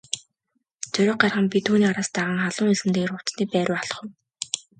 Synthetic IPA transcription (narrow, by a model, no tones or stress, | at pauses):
t͡sɵɾʲʊ̆ːq̚ɢarʁə̆mpʲit̪ʰuːniːaɾaːst̪aʁə̆ːŋχaɮʊːŋiɮɘ̆mt̪eːɣerʊt͡sniːpæːɾʲʊːaɮɞ̥̆χʊ̆w